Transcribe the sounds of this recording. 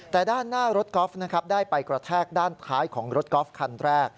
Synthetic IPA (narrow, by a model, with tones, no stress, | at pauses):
t̪ɛː˨˩daː˥˩nːaː˥˩ɾo˦˥t̪̚kɔː˦˥fna˦˥kʰa˦˥p̚daː˥˩jpa˧jkɾa˧t̪ʰɛː˥˩k̚daː˥˩nt̪ʰaː˦˥jkʰɔː˩˦ŋɾo˦˥t̪̚kɔː˦˥fkʰa˧nɾɛː˥˩k̚